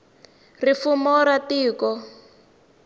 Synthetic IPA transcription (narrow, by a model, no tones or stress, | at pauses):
rifumɔɾatiːkɔ